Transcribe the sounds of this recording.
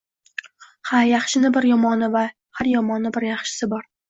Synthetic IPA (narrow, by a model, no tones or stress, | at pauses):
hajaχʃɪnɪbɪɾjɒmɒnɪva | haɾjɒmɒnːɪbɪɾjɑχʃɪ̥sɪbɒɾ